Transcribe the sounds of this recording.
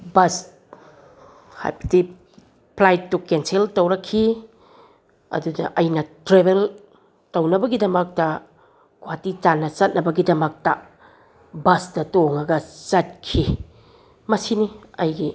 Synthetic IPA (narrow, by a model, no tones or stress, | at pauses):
bɐs | ha̰jbɐ̥di | pʰlajtːukenseltɐwɾɐkʰːi | ɐ̰dudɐ̰ʔɐjnɐtɾebel | tɐwnɐbɐɡidɐmɐk̚tɐ | kʰwatit͡ʃanːɐt͡ʃɐt̚nɐbɐɡidɐmɐk̚tɐ | bɐsdɐtoŋɐɡɐt͡ʃɐt̚kʰi | mɐsiniɐjɡi